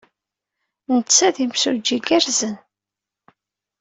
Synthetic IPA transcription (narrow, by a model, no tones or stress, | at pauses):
nət͡sːæðimsud͡ʒːiɡæɾzən